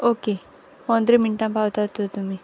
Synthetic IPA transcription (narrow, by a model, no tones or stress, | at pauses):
oːke | pɔ̃nd̪ɾemɪɳʈãmpaːʋt̪at̪ut̪umi